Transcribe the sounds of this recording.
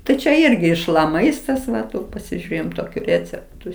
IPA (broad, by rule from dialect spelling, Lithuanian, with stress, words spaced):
ˈtɐɪ t͡ʃʲɛ ˈɪrʲɡʲɪ ɪʃ lˠɐ ˈmɐɪstɐs ˈʋɐ ˈtuː pɐsʲɪˈʒʲʊrʲeːjɛm toːˈkʲuː ˈrʲeːt͡sʲɛptʊ